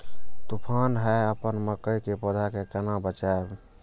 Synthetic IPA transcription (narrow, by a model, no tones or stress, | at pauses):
t̪upʰanɦɛəpənməkəjkepəd̪ʱakekənabət͡ʃab